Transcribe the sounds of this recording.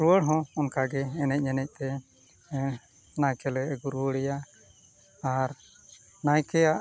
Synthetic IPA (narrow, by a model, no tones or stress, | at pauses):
ɾuwəɽɦɔ̃ɔnkaɡɛːnɛc̚ˀɲɛnɛc̚t̪ɛ | najkɛlɛʔɡuɾuəɽɛja | aɾ | najkɛjaʔ